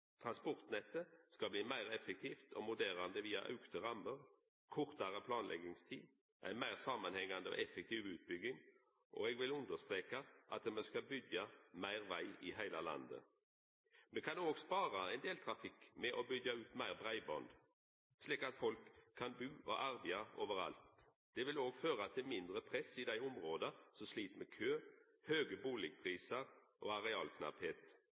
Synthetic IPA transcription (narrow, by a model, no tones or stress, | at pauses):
t̪ʰʁɑnspɔʁt̪nɛt̪ːəskɑbliːmæɪʁɛfək̚t̪ʰiːft̪ʰɔmʊd̪eːʁɑnd̪əʋiːɑ̰ʔɑ̰ʉkt̪əʁɑməʁ | kʰɔʁt̪ɑʁəpʰlɑːnlɛ̰ɡɪŋst̪ʰḭː | ʔæ̰ɪnmæɪʁsɑmɑnhɛŋːand̪əɔ̰ʔɛfɛk̚t̪ʰiːʋʉːt̪̚bʏɡɪŋ | ʔo̰ɛɡʋɪlʉnd̪əst̪ʁeːkɑʔɑt̪mɛskɑbʏɡjɑmæɪʁʋæɪʔɪhæɪlalɑ̰nd̪ə̰ | mɛkʰɑnoːɡspɑːʁɑɛɪnd̪eːlt̪ʰʁɑfɪkːmɛʔobʏɡɑʉːt̪mæɪʁbʁæɪbɔnd̪ | sliːkɑt̪fɔlkʰːɑnbʉːʔo̰ʔɑʁʋɪɑoːʋəʁɑ̰lt̪ | d̪̥ɛʋɪloːɡføːʁɑt̪̚d̪ɛmɪnd̪ʁəpʰʁɛsɪd̪æɪɔmʁoːd̪əsɔsliːt̪meːkʰøː | høːɡəbuːlɪɡ̚pʰʁiːsəɾ | ʔoːɑʁɛɑːlkʰnɑ̰pheːt̪